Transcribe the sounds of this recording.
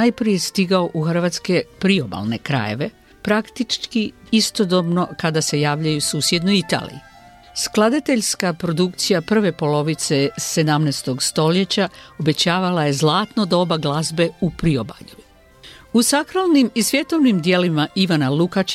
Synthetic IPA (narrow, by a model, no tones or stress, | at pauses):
ajpɾije̞st̪iɡao̞ʔuxr̩ʋaːt̪ske̞pɾio̞ba̰lˠne̞kɾa̰je̞̰ʋe̞ | pɾakt̪it͡ʃkiist̪o̞d̪o̞bno̞kad̪ase̞jaːʋʎajusuːsje̞d̪nojit̪a̰lḭjḭ | sklˠad̪at̪e̞ʎskapɾo̞d̪ukt̪sijapr̩ʋe̞po̞lo̞ʋit̪sese̞d̪amnest̪o̞ɡst̪o̞le̞t͡ɕao̞be̞t͡ɕaːʋalajezlˠaːt̪no̞d̪ao̞baɡlazbe̞upɾio̞ba̰ʎu | usakɾalˠnimisʋje̞t̪o̞ʋnimd̪je̞limaiʋanalukat͡ʃ